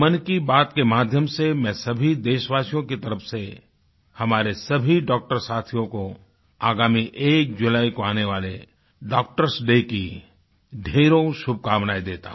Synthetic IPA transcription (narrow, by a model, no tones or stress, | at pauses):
mɐnkibaːt̪kemaːd̪ʱjəmsemɛ̃ːsɐbʱid̪eːʃəʋaːsijõkit̪ɐɾəfse | hɐmaːɾesɐbʱiɖɔːk̚ʈəɾsaːt̪ʰijõko | aːɡaːmiʔeːk̚d͡ʒʊlaːikoaːneʋaːle | ɖɔːk̚ʈəɾsɖeki | ɖʱeːɾõʃʊb̚kaːʋnaːid̪eːt̪a̰ɦ